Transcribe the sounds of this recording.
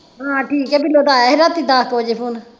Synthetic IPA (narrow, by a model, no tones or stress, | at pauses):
ɦãːʈʰiːkɛbiloːd̪aːjaːɦɪɾat̪id̪aːkoːd͡ʒepʰuːn